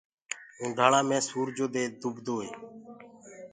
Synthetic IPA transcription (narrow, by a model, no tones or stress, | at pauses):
ũːɖʱaːɳãːmẽːsuːɾd͡ʒoːd̪eːd̪ʊbd̪oːɦeː